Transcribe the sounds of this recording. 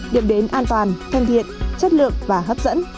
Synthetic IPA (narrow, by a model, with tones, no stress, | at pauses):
ɗḭ˨˧˩əmɗe˨˦nʔaː˧nt̪waː˨˩nt̪ʰə˧˩ŋt̪ʰḭ˧˨ənt͡ɕə˦˥t̚lɨ̰˧˨ək̚vaː˨˩ɦəː˦˥p̚z̥ə̰˧˥n